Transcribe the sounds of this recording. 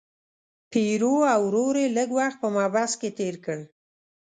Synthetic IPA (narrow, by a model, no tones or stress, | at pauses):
peɾoawɾoɾeləɡwaxt̪̚pəmɑbasket̪eɾkəɽ